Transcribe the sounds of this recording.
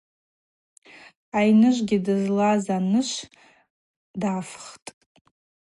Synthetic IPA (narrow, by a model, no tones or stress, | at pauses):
ajnɨʒʷɡʲɪdɨzlazanɨʃʷ | dafχtʼ